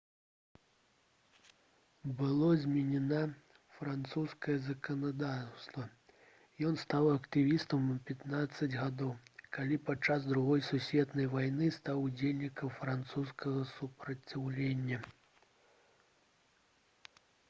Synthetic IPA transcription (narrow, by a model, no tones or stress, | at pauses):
bɨlˠɔzʲmʲɛnʲɛna | fɾant̪suskɐjɛzɐkɐnad̪ast̪vɐ | jɔnst̪awɐkt̪ɨvʲist̪ɐmpʲat̪nat̪sːɐd͡zʲɣad̪ɔwkalʲipat͡ʂːazd̪ɾuɣɔjsusʲvʲɛt̪nɐjvajnɨst̪awud͡zʲelʲnʲikɐmfɾant̪suskɐɣɐsupɾɐt͡sʲawlʲenʲːɐ